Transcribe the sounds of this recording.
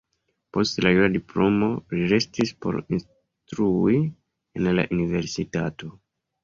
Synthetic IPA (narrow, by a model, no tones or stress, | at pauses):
po̞stlajuɾadiplo̞mo̞liɾe̞stispo̞̰ɾins | tɾui | enla̰ʔunive̞ɾsitato̞